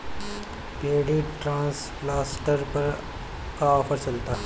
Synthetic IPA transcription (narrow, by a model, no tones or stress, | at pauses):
peːɽiʈɾãːnsplaːsʈəɾpɐɾ | kaɔːpʰəɾt͡ʃɐlt̪aː